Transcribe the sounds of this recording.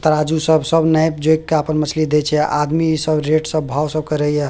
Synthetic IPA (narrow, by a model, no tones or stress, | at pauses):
t̪əɾad͡ʒusəbsəbnajpd͡ʒojkːeəpənmət͡ʃʰlid̪et͡ʃʰɛʔad̪misəbɾeʈsəbːʱawsəbkəɾəja